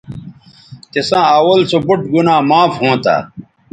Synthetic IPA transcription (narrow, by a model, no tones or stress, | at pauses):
t̪esãːɐwɐlsobuʈɡunaːmaːfɦõːt̪a̰ː